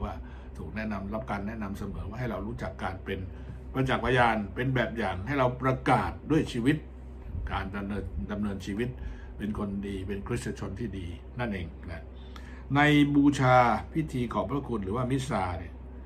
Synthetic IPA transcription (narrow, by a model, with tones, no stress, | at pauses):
waː˥˩ | t̪ʰuː˨˩k̚nɛ˦˥ʔna˧mɾa˦˥p̚kaː˧nːɛ˦˥ʔna˧msa˧mɯː˨˩˦nwa˥˩ɦa˥˩jɾa˧wɾuː˦˥t͡ɕa˨˩kːaː˧npe˧n | pɾa˧t͡ɕa˨˩k̚pʰa˧jaː˧npe˧nbɛː˨˩p̚jaː˨˩ŋha˥˩jɾa˧wpɾa˧kaː˨˩t̪̚du˥˩əjt͡ɕʰiː˧wi˦˥t̪̚ | kaː˧nda˧mnɤː˧nda˧mnɤː˧nt͡ɕʰiː˧wi˦˥t̪̚ | pe˧nkʰo˧ndiː˧pe˧nkʰɾ̚sa˧t͡ɕʰo˧nt̪ʰiː˥˩diː˧ | na˥˩nʔeː˧ŋna˦˥ | na˧jbuː˧t͡ɕʰaː˧pʰi˦˥t̪ʰiː˧kʰɔː˩˦ŋpʰɾa˦˥kʰu˧nɾɯː˩˦waː˥˩mi˦˥saː˧ni˧˥˩